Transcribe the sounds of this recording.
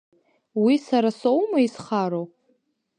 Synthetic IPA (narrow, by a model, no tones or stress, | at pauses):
wisaɾasowmaisχaɾow